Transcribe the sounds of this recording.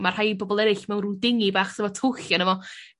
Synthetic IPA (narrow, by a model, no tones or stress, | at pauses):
mar̥hajbɔbɔlˠɛɾɪɬmɛwnrudɪŋibaːχtʰəvɔtʰʊɬjanəvɔ